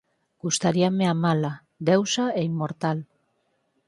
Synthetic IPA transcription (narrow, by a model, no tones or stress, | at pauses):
ɡ̥ust̪aɾiameamala | d̪ewsaeimːoɾt̪al